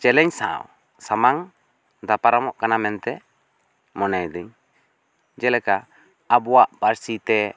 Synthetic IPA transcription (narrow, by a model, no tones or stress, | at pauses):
t͡ʃɛlɛɲsa̰w | samaŋ | d̪apaɾamɔʔkanamɛnt̪ɛ | mɔnajd̪iɲ | d͡ʒɛlɛkaː | bɔwaʔpaɾsit̪ɛ